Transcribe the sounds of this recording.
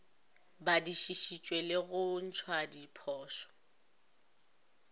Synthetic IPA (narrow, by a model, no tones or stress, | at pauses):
badiʃiʃit͡ʃʼwelɪɣʊn̩t͡ʃʰwadipʰɔːʃɔ̥